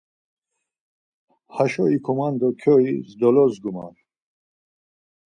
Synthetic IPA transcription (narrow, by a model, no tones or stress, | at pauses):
haʃɔikʰɔmand̪ɔkʰɔizd̪ɔlɔzɡuma̰n